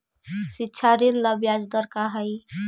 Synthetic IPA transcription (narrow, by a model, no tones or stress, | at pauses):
sitːʃʰaɾinləbjad͡ʒd̪əɾkaɦəj